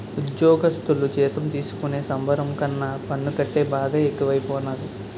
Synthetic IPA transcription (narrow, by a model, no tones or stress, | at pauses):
ud̪jɔːɡɐst̪ulut͡ʃɛːt̪ɐmt̪iːsu̥kune̞ːsɐmbʱɐɾɐmkɐnːɐpɐɳːukɐʈːe̞ːbaːd̪ɐekːuʋɐjpoːnaːd̪i